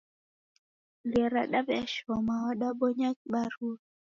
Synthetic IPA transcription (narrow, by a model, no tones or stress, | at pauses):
liɛɾaɗabɛaʃɔmawaɗabɔɲakɓaɾu